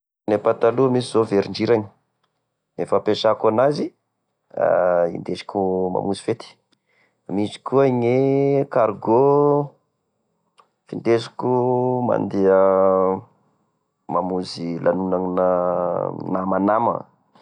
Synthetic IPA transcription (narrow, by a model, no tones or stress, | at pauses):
nepat̪aluəmisizoveɾiɳɖ͡ʐiɾaɲi̥ | efəpeʃakanazi | a̰ḭnd̪esi̥kʲuma̰muzi̥fet̪i̥ | misi̥kuaŋekaɾɡo | fint̪esi̥kʲuma̰nd̪eə | mamuzilʔanunaŋinə | namanamə̰